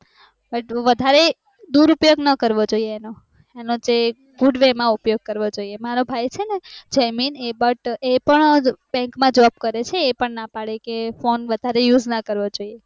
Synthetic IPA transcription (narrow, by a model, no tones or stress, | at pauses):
bəʈʋəd̪ʱaɾe | d̪uɾupjoɡnəkəɾʋod͡ʒoieːno | enod͡ʒe | ɡuɖʋemãupjoɡ̚kəɾʋod͡ʒoiemaɾobʱajt͡ʃʰened͡ʒəjminebəʈepəɳbɛ̃ŋkmãd͡ʒəʋab̚kəɾet͡ʃʰeːpəɳnapaɽekefonʋəd̪ʱaɾejud͡ʒnəkəɾʋod͡ʒoie